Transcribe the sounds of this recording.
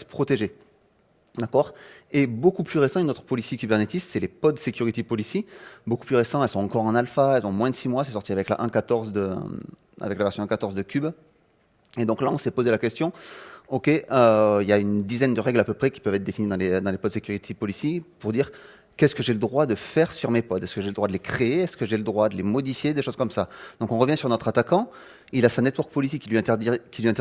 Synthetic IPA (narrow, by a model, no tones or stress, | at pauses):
sə̥pχɔt̪eʒe | d̪akɔʁebokuplyʁesɑ̃ynot̪χə̥pɔlisjikʲybɛʁnet̪isːɛlepɔd̪sekʲyʁit̪epɔliseboku̥plyʁesɑ̃t̪ɛlsɔ̃ɑ̃kɔʁɑ̃nalfaɛlzɔ̃mwɛ̃d̪əsimwasɛsɔʁt̪iavɛkla̰ʔɛ̃kat̪ɔʁzd̪ə̰ | a̰vɛklavɛʁsjɔ̃ɛ̃kat̪ɔʁzd̪əkʲyb | ed̪ɔ̃klaɔ̃sɛpozelakʲɛst̪jɔ̃ɔkʲeʔøiljaynd̪izɛnd̪əʁɛɡlapøpχɛkʲi̥pœvɛt̪χd̪efinid̪ɑ̃led̪ɑ̃lepɔd̪sekʲyʁit̪ʰepɔlisjepuʁd̪iːʁ | kɛskəʒeləd̪ʁwad̪əfɛʁsyʁmepɔd̪ɛskəʒeləd̪ʁwad̪əlekχeeɛskəʒeləd̪ʁwad̪əlemɔd̪ifjed̪eʃozkɔmsad̪̥ɔ̃kɔ̃ʁəvjɛ̃syʁnɔt̪χat̪akɑ̃ | ilasãnɛt̪wɔʁk̚pɔlis̬ekʲilɥiɛ̃t̪d̪ikʲilɥiɛ̃t̪